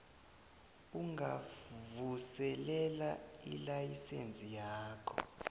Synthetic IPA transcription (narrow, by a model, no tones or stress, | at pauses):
uŋɡʱavusɛlɛlaḭlajisḛnd͡zʱʼijaːkʰɔ̰